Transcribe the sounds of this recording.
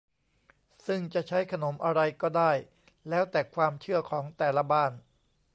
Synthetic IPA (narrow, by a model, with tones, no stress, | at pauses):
sɯ˥˩ŋt͡ɕa˨˩ʔt͡ɕʰa˦˥jkʰa˧no˩˦mʔa˧ɾa˧jkɔː˥˩daː˥˩j | lɛː˦˥wt̪ɛː˨˩kʰwaː˧mt͡ɕʰɯ˥˩ɐkʰɔː˩˦ŋt̪ɛː˨˩la˦˧˥baː˥˩n